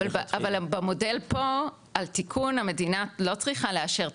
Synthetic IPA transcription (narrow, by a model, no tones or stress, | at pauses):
alavalbamo̞de̞lpo̞ | altikʰuname̞dinalo̞t͡sʁiχaleaʃe̞ʁ